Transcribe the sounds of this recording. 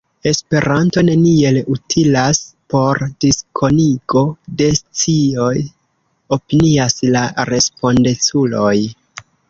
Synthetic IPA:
e̞spe̞ɾʔanto̞ne̞nie̞lutʰilaspo̞ɾdiskʰo̞niɡo̞de̞st͡sio̞j | o̞piniaslaɾe̞spo̞ndet͡sulo̞j

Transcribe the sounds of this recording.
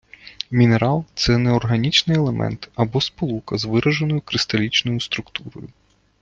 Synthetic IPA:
mʲineɾɑlˠt̪sɛnɛɔrɦɐnʲit͡ʃnɪjelˠemʔɛ̰nt̪ɐbɔspɔlˠukɐzʋɪɾʔɐʒenɔjʊkɾɪst̪ɐlʲit͡ʃnɔjʊst̪ɾʊkt̪uɾɔ̰jʊ

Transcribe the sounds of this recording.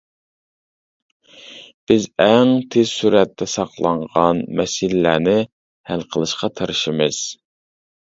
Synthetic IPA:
b̥ɪzɛŋt̪ʰez̥suɾɛt̪ʰːɛsɑqlˠɑɴʁɑnmɛsilɪːænɪ | hælqʰəlˠɨʃqɑt̪ʰəɾɨʃimɨz̥

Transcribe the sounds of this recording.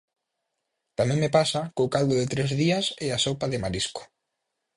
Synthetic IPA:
t̪amɛ̃ŋmɪpasakokald̪ʊðɪt̪ɾezðiɐsɪasowpaðɪmaɾiskʊ̥

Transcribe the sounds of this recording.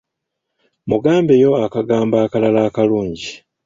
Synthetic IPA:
muɡaːmbe̞jo̞akaɡaːmbaːkalalaːkaluːɲɟi

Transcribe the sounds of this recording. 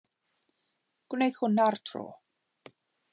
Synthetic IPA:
ɡ̥wnejð̥hʊnartʰro̰ː

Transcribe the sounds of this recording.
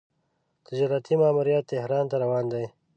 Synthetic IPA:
t̪ʰɪd͡ʒɑɾat̪ʰimaːmuɾijɑt̪ːɪhɾɑːnt̪aɾawɑːnd̪aj

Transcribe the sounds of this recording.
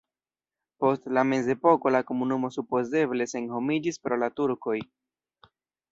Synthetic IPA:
po̞stlame̞ze̞po̞ko̞lako̞munumo̞supo̞ze̞ble̞se̞nho̞mid͡ʒispɾo̞latuɾko̞j

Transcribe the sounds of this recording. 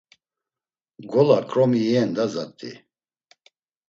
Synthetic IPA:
ɡɔlakʼɾɔmiɛːnd̪azat̪ʼḭ

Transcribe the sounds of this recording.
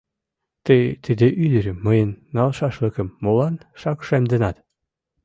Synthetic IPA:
t̪əjt̪əd̪eʔyd̪ɘ̆ɾɘ̆məjə̆nːɑlʃɑʃlə̆kə̆mːolɑnʃɑkʃemd̪ə̆nɑt̪

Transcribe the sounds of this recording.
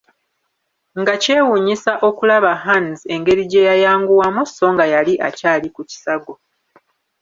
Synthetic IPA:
ŋɡace̞ːwuɲisaʔo̞kulaβaɦanze̞ŋɡe̞ɾiɟe̞jajaːŋɡuwamuso̞ŋɡajaliʔa̰caːlikuci̥saɡo

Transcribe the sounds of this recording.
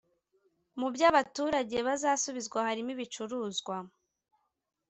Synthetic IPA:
mubɟaβatuːɾaɟe̞βazaːsuβizɡwahaɾimiβit͡ʃuɾuːzɡwa

